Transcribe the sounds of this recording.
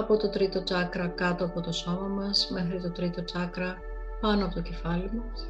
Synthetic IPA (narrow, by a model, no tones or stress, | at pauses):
ɐpo̞t̪o̞t̪ɾit̪o̞t͡sɐkɾɐkɐt̪oɐpo̞t̪o̞so̞mɐmɐsme̞xɾit̪o̞t̪ɾit̪o̞t͡sɐkɾɐ | pɐnoɐpo̞t̪oce̞fɐlimɐ